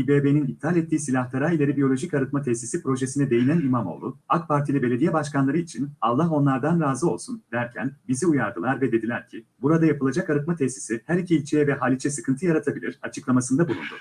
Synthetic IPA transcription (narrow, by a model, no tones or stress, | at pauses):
ibeːbeninit̪ʰːialʲɛt̪ːiːsilʲaht̪aɾaːilʲe̞ɾibijo̞lʲo̞ʒicaɾɯt̪̚mat̪ʰɛsisipɾo̞ʒesinɛd̪e̞jinænimamo̞̰lˠuakpʰaɾt̪ʰilʲibe̞lʲed̪ijɛbaʃkanlˠaɾɯit͡ʃʰinalˠːaɦo̞nlˠaɾd̪anɾaːzɯo̞lˠsund̪æɾcʰæ̰nbiziujaɾd̪ɯlˠaɾvɛd̪e̞d̪ilʲæɾcʰibuɾad̪ajapʰɯlˠad͡ʒakaɾɯt̪̚mat̪ʰɛsi̥sihæɾicʰiːlʲt͡ʃʰejɛvɛɦaːlʲit͡ʃʰɛsɯkʰɯnt̪ʰɯjaɾat̪ʰabilʲiɾ̥at͡ʃʰɯklˠamasɯnd̪abulˠṵnd̪u